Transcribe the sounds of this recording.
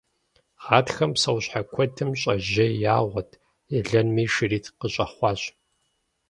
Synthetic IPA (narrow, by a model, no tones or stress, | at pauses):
ʁaːtxɐmsɐwɕħakʷʰɔtʰɨmɕʼɐʒɐjaːʁʷɔtʰ | ɛɮɐnmiːʃɨriːtʰqəɕʼɐχʷɑːɕ